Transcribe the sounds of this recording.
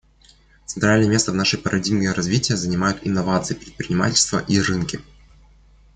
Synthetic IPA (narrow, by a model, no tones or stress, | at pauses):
t̪sɨnt̪ɾalʲnəjəmʲe̞st̪əvnaʂɨjpəɾʔɐdʲiɡnʲəjəɾɐzvʲitʲɪjəzənʲɪmajʊt̪ɪnːɐvat̪sɨjɪpɾʲɪt̪̚pɾʲɪnʲɪma̰tʲɪlʲst̪və̰ʔirɨnkʲɪ